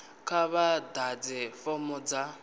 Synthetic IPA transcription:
kʰaβadad͡zɛfɔmɔd͡za

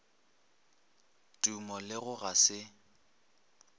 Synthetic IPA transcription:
tʼumɔlɪɣʊɣasɪ

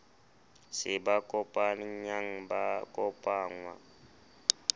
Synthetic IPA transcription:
sɪbakʼɔpʼanɲaŋ̩bakʼɔpʼaːŋwa̰

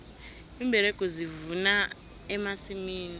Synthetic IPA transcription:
imbʱɛɾɛkʼɔzivuna | ɛmasimiːni

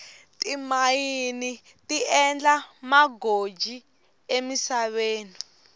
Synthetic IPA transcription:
tʼimajini | tiʔɛnd͡ɮamaɡod͡ʒʱi | emisaɓeːni

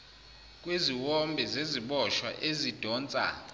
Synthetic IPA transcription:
k̬ʼweziwɔmbʱɛzeziɓɔʃwa̰ʔezid̥ʱɔːnt͡sʼa̰

